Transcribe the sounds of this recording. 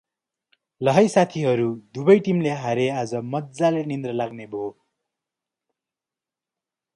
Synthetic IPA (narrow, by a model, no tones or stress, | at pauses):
lʌɦʌjsat̪ʰiɦʌɾud̪ubʌjʈimleɦaɾead͡zʌmʌt̪̚d͡zalenind̪rʌlaɡnebʱo